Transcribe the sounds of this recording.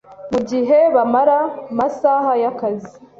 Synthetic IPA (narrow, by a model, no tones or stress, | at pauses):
muɟiɦe̞βamaɾamasaɦajakazi